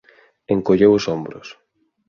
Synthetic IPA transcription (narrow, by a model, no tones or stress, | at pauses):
eŋkoʎewʊsombɾʊ̰s